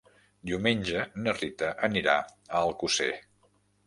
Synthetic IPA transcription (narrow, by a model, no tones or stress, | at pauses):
d̪iumenʲʒənərit̪əʔəniɾaəlˠkusḛ